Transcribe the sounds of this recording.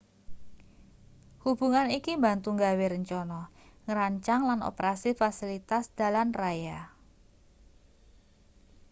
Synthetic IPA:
hubuŋanikimbant̪uŋɡaweɾəɲt͡ʃɔnɔŋəɾaɲt͡ʃaŋlano̰pəɾasifasilit̪asd̥a̤lanraja

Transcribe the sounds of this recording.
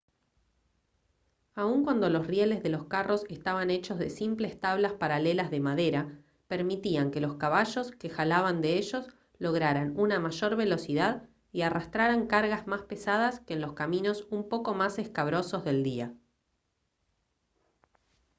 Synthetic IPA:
auŋkwand̪o̞lo̞srjele̞zðe̞lo̞skaro̞se̞st̪aβane̞t͡ʃo̞zðesimple̞st̪aβlaspaɾale̞lazðe̞maðe̞ɾa | peɾmit̪iaŋke̞lo̞skaβaʒo̞ske̞xalaβand̪eeʒo̞s | lo̞ɣɾaɾanunamaʒo̞ɾβe̞lo̞siðað | iarast̪ɾaɾaŋkaɾɣazmaspe̞sað̞askeːnlo̞skamĩno̞sumpo̞ko̞mase̞skaβ̞ɾo̞so̞zðe̞ld̪ia

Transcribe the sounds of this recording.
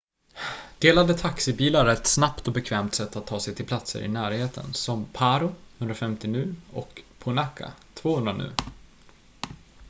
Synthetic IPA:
d̪̥eːlad̪ət̪ʰaksɪbiːlaɾɛt̪snapt̪ɔbɛkʰvɛːmt̪sɛt̪ːat̪ʰːɑːsɛjt̪ʰɪlpʰlat̪sə̰ɾʔɪ̰næːɾheːt̪ʰə̰nsɔmpʰaːɾʊhɵnd̪ɾafɛmt̪ɪnʉ̟ːɔ̰kpʰʊnakʰːa̰t̪ʰv̥oːhɵnd̪ɾanʉ̟̰ː

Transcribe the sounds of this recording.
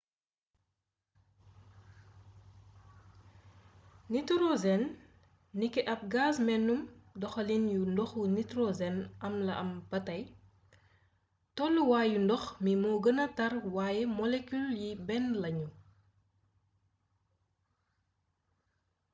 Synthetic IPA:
nitɾozɛnː | ikːɛʔɐp̚ɡaːsmɛnːumdɔxɐlinjundɔxunitɾozɛnɐmlɐʔɐmbɐtɐj | tɔlːuwaːjundɔxmimɔːɡənɐtɐrwaːjemɔlekuljibɛnlɐɲu

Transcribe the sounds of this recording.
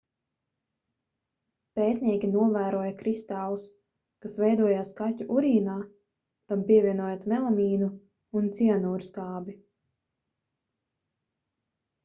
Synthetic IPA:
peːt̪niɛkʲinuɔvæːɾuɔjɐkɾist̪aːlˠus | kasvɛjd̪uɔjaːskatʲuʔuɾiːnaː | t̪ampiɛvʲiɛnuɔjat̪mɛlˠamiːnu | unt̪sianuːɾskaːbi

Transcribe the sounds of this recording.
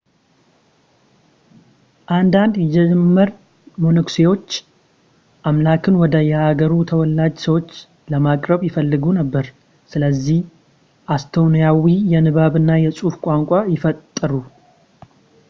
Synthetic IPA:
ʔand̪and̪jɛmmːəɾ | mo̞nɨksewo̞t͡ʃː | ʔamlakʰɨnwɔd̪əjɛaɡəɾut̪ʰəwɔlːad͡ʒsəwo̞t͡ʃː | ləmakʼɾəβjɪfəlːɨɡunəbːəɾ | sɨləzːih | ʔast̪ʰonijawijɛnɨβaβɨnːajɛsʼufkʷʼaŋkʷʼajɪfət̪ʼːəɾu

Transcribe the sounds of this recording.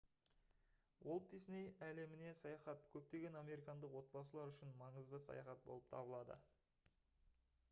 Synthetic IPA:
wʔolˠp̚t̪isɪnejæle̞mɪne̞sɑjɑχɑt̪kʲʰɵp̚t̪e̞ɡʲe̞nɑme̞ɾikɑnd̪əqwo̞t̪̚bɑsəlˠɑɾʏʃɪnmɑɴəzd̪əsɑ̰jɑ̰χɑt̪̚bo̞̰lˠəp̚t̪ʰɑ̰bəlˠɑd̪ə̰

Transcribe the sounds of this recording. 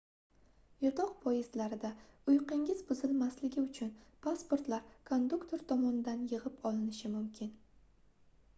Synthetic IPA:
jɒt̪ʰɒqpʰɒjɪzlaɾɪd̪aʊjqɪŋɪzbʊzɪlmaslɪɡʲɪʊt͡ʃʰʊnpʰaspo̞ɾt̪laɾkʰond̪ukt̪ʰo̞ɾt̪ʰɒmɒnɪd̪anjɨʁɪpɒlɪnɪʃɪmʊmkʲʰɪn

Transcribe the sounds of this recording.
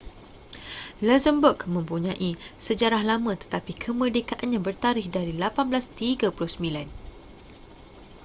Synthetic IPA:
lazəmbukmə̃mpuɲãʔisəd͡ʒaɾahlamə̃t̪ə̥t̪apikʰəmərdekaʔanɲãbərt̪aɾɪhdaɾilapanblast̪iɡapulʊhsəmĩlan

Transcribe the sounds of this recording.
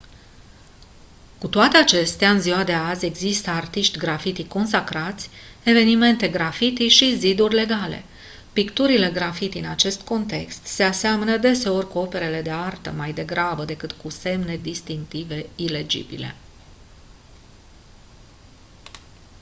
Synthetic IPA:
kut̪oat̪e̞at͡ʃe̞st̪eaɨnzioad̪e̞azʲe̞ɡzist̪əart̪iʃt̪ʲɡɾafit̪ikːo̞nsakɾat̪sʲe̞ve̞nime̞nt̪e̞ɡɾafit̪iʃizid̪urʲle̞ɡale̞̰ | pikt̪uɾile̞ɡɾafit̪iɨnat͡ʃe̞st̪ko̞nt̪e̞kst̪se̞aseamənəd̪e̞se̞o̞rʲkuo̞pe̞ɾe̞le̞d̪e̞art̪ə̰majd̪e̞ɡɾabəd̪e̞kɨt̪kuse̞mne̞d̪ist̪iŋk̚t̪ive̞ile̞d͡ʒḭbḭle̞̰

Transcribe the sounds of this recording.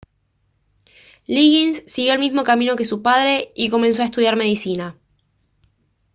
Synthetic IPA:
liɣinsːiɣjo̞elmizmokamĩno̞ke̞supaðɾe̞iko̞mens̬o̞aest̪uðjaɾme̞ðisina

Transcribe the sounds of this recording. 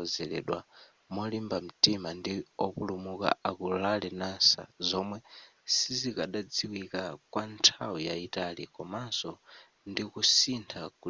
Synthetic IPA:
ɔzɛlɛ̰ɗwa̰ | mɔlimbam̩timandiɔpulumuka̰akulalɛnansa̰zɔmwɛsizikaɗad͡ziwikakwantʰawujaitalikɔmasɔ | ndikusintʰaku

